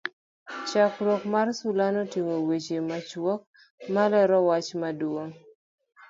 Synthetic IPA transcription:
t͡ʃakɾokmarsulanɔtiŋowet͡ʃemat͡ʃwɔk̚ | malɛɾɔwat͡ʃmadwoŋ

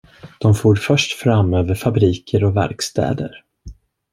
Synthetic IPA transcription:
d̪̥ɔmfuːɾfœʂʈfɾamːøːvəɾfabɾiːkʰəɾɔvæ̰ɾkst̪ʰɛ̰ːd̪ə̰ɾ

